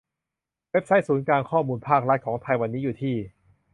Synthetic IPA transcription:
we˦˥p̚sa˦˥jsuː˩˦nkaː˧nkʰɔː˥˩muː˧npʰaː˥˩k̚ɾa˦˥t̪̚kʰɔː˩˦ŋt̪ʰa˧jwa˧nːiː˦˥juː˨˩t̪ʰiː˥˩

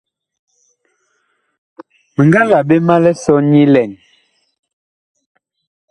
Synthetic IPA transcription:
mə˨ŋɡa˦la˨be˦ma˦lɛ˦sɔ˦ɲi˦lɛ˨n

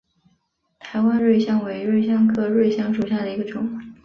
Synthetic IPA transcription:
t̪ʰa˧˥ɪwa˥nɻe˥˩ɪɕjɑ˥ŋwe˧˥ɪɻwe˥˩ɪɕ̬jɑ˥ŋkʰɤ˥˧ɻwe˥˧ɪɕjɑ˥ŋʂu˨˩ɕja˥˩d̪ə˩i˧˥ɡə˧ʈ͡ʂʊ˨˩˦ŋ˨˧˥

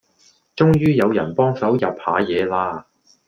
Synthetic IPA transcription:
t͡ʃʊ˥ŋjyː˥jɐ˨˧wjɐ̰˨˩npɔː˥ŋsɐ˨˥wjɐ˨p̚ha̰ː˨˧jɛː˨˧laː˧

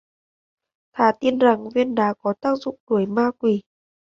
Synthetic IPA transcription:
t̪ʰaː˧˩t̪i˧nza˨˩ŋvi˧ənɗa̰ː˨˧˦kɔ˨˦t̪aː˦˥k̚zʊ̰˧˨ŋ͡mɗu˧˩əjmaː˧kwi˧˩

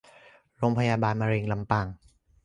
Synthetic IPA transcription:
ɾoː˧ŋpʰa˧jaː˧baː˧nmaː˧ɾeː˧ŋla˧mpaː˧˩ŋ

